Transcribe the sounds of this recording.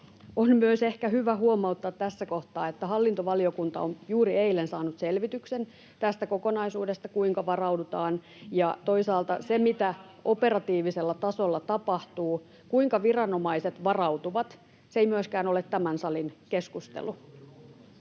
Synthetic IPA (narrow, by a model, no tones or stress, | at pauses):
onmyøse̞hkæɦyʋæhuomɑut̪ːɑːt̪tːæsːækoht̪ɑːet̪ːæhɑlːint̪oʋɑliokunt̪ɑ̰onjuːɾieilensɑːnut̪selʋit̪yksen | t̪æst̪ækokonɑisuːdest̪ɑkuiŋkɑʋɑrɑwdut̪ɑːn | jɑt̪oisɑːlt̪ɑsemit̪æʔope̞ɾɑt̪iːʋiselːɑt̪ɑsolːɑt̪ɑpɑht̪uː | kuiŋkɑʋirɑnomɑiset̪ʋɑrɑut̪uʋɑt̪ | sejmyøskæːnolet̪ːæmænsɑlinkeskust̪ḛlu